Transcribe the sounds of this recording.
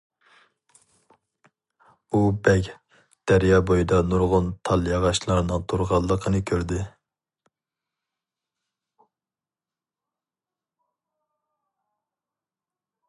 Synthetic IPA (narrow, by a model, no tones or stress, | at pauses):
ubɛkʲ | d̪̥æɾjɑbojid̪ɑnuɾʁʊnt̪ʰɑlˠjɑʁɑʃlˠɑɾnɨŋt̪ʰoɾʁɑlˠːəqʰənɨkʲʰøɾd̪ɪ